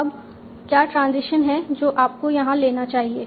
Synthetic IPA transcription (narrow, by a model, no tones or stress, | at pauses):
ɐb | kjaːʈɾãːnzɪʃənɦɛd͡ʒoːʔaːp̚kojɐɦãleːnat͡ʃaːɦieː